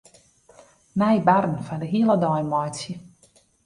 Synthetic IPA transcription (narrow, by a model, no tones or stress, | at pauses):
najbarn̩fɔndəɦiəlˠədɔjmɔjsjə